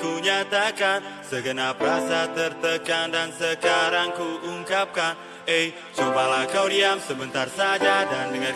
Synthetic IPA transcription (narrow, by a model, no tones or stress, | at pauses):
kuɲat̪akansəɡənap̚rasat̪ərt̪əkandansəkaɾaŋkuuŋkap̚kan | ej | t͡ʃumpalakawdiamsəbənt̪arsad͡ʒadandəŋə